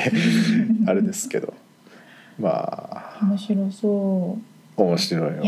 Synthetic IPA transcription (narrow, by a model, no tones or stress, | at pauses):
aɾe̞d̪esɨ̥ke̞d̪o̞ | ma̰ːomoɕiɾosoː | omoɕiɾo̞i